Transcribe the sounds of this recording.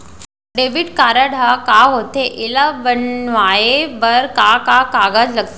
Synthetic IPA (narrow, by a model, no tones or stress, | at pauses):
ɖeʋiɽkaɾaɽʱakaɦot̪eʔelabənʋajebəɾkakakaɡad͡zləɡt̪